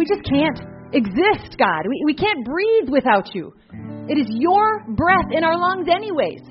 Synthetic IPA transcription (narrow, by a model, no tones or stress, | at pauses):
wid͡ʒʌskʰæ̃nt | ɨɡzɪst̚ɡ̥ɑ̰d̚wiwikʰæ̃nb̥ɹiðwɨθaʊt͡ʃʉ̰ | ɨɾɨzjə˞bɹɛθɨ̃ɾ̃aʊə˞lʌ̃ŋzɛniweɪz̥